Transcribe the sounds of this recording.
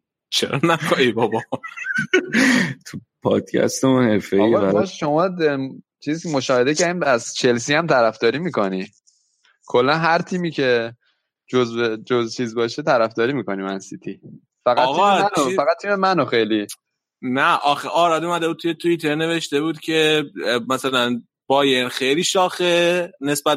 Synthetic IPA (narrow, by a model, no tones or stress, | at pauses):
t͡ʃʰḛɾɒ̰nækoibɒbɒ | t̪ʰupʰɒ̰ːd̪̥cʰæ̰st̪emunhefeɒjæʃo̞mɒː | t͡ʃʰiziscemo̞ʃɒːhe̞d̪ecæɾd̪iæzt͡ʃʰe̞ls̬iæmt̪ʰæɾæfd̪ɒːɾiːmiːkoni | kʰo̞lːænɦæɾt̪ʰiːmiːcʰe̞ | d͡ʒozbed͡ʒozt͡ʃʰiːzbɒːʃet̪ʰæɾæfd̪ɒːɾiːmiːkonimænsit̪ʰi | fæɣɣnofæɣæt̪t̪ʰːiːmemænoxejli | næʔɒːxeʔɒːɾɒːd̪umæd̪e̞bud̪̚t̪ʰujet̪ʰuit̪ʰeɾne̞ve̞ʃt̪e̞buːd̪cʰe̞mæsælæn | b̥ɒːjenxejliːʃɒːxene̞sbæ